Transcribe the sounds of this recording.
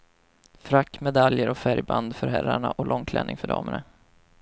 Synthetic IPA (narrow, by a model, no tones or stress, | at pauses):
fɾakːmɛd̪aljəɾɔfæɾjband̪fœɾɦæɾaɳaʔɔlʔɔŋk̪ʰlʔɛ̰ːnʔɪŋfœɖɑ̰ːməɳa